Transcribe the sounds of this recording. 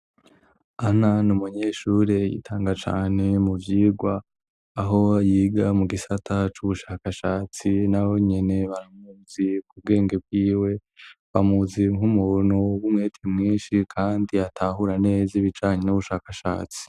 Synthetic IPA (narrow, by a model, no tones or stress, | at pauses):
an̥anumuɲeːʃuːɾejḭtʰaːŋɡat͡ʃa̰ːne̞muvjiːɡwaː | ɦo̞jiːɡamuɡisatʰat͡ʃuβuʃaːkaʃaːt͡sinaβo̞ɲe̞ne̞βaɾamuz̥ikub̚ɡe̞ːŋɡe̞b̚ɡiːwe̞βamuziŋumunuwumŋeːtʰemŋiːnʃikʰaːndiatʰahuɾane̞ːziβit͡ʃaːɲenuβuʃaːkaʃa̰ːt͡si̥